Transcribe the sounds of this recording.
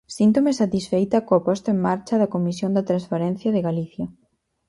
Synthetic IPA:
sint̪omesat̪isfejt̪ɐkoapɔst̪ʊeŋmaɾt͡ʃɐðɐkomisjond̪ɐt̪ɾanspaɾɛ̃n̟θjɐðɪɣaliθjɐ

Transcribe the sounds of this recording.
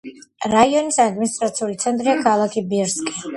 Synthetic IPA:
ɾaiɔnisad̪minist̪ʼɾat̪sʰiulit̪sʰɛnt̪ʼɾiakʰalˠakʰibiɾskʼi

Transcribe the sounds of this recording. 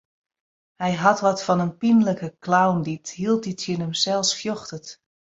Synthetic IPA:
hɛjɦɑtʋɔtfɔnənpinləkəklawndithilˠt̚ditjənəmsɛlˠsfjɔxtət

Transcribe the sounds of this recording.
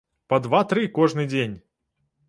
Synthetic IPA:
pɐd̪vat̪ɾɨkɔʐnɨd͡zʲenʲ

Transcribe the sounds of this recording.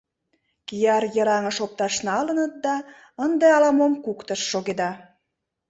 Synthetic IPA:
kijɑrjəɾɑŋəʃop̚t̪ɑʃnɑlənət̪̚d̪ɑ | ənd̪eɑlɑmomkukt̪əʃːoɣed̪ɑ

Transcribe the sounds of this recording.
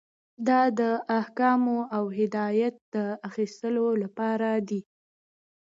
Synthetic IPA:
d̪ɑd̪əʔahkɑmoʔawɦɪd̪ɑjat̪̚d̪̥əaxist̪əlolapɑɾad̪i

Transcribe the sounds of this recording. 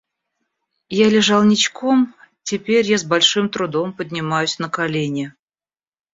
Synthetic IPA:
jalʲɪʐɑlˠnʲɪt͡ɕkom | tʲɪpʲeɾʲjazbɐlʲʂɨmt̪ɾʊd̪o̞mpədʲnʲɪmajʊsʲnəkɐlʲenʲɪ

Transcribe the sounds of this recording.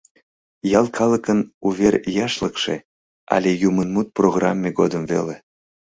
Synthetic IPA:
jɑlkʰɑləkənuβerjɑʃləkʃḛ | ɑ̰lʲejumənmut̪̚proɣrɑmʲːeɣod̪əmvḛle

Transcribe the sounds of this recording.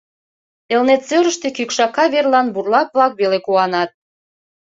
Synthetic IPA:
elnet̪søɾəʃt̪ekykʃɑkɑβerlɑnburlɑpβlɑkβelekuɑnɑt̪̚

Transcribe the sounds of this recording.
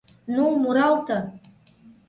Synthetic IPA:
numuɾɑlˠt̪ɤ̆

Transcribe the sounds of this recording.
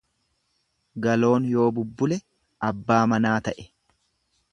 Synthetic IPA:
ɡɐlo̞ːnjo̞ːbʊbːʊlɛ | ɐbːaːmɐnaːt̪ɐʔɛ̥

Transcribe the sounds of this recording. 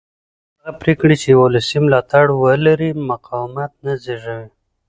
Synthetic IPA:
aɣapɾekɽit͡ʃewolɪsimlɑt̪aɽwəlaɾimaqɑwmat̪̚nazeʒawi

